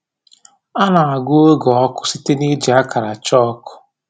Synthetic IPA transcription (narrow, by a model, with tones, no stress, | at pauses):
a˦na˨a˨ɡu˦e˦ɡɔ˨ɔ˦kʊ̥˦si˦te˦ni˦d͡ʒa˦ka˨ɾa˨t͡ʃɔ˦ɔ˦kʊ̥˦